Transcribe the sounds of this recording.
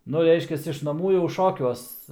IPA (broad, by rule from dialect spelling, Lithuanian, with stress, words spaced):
ˈnʊ ˈrʲɛɪʃʲkʲɛs ɪʃ nɐˈmuː jɛʊ ˈʃoːkʲuɔs